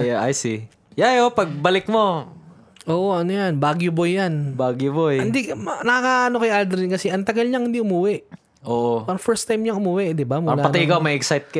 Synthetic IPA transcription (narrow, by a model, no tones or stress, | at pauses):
ʔajsɪ | jajopɐɡ̚bɐlɪk̚mo̞ | ʔoːʔoʔɐnʊjanbaːɡjʊbojːanbaːɡjʊbojhɪnd̪inɐkɐkaʔɐnokɐjʔald̪ɾinkɐsɛʔɐŋt̪ɐɡalɲɐŋhɪnd̪iʔʊmuːwɛʔ | ʔoːʔoaɾɐfɛɹst̪ajmɲɐŋʔʊmuːwɛʔd̪ɪbamʊlaːpɐt̪ɐʔɪkawmɐʔɛksajt̪̚kɐ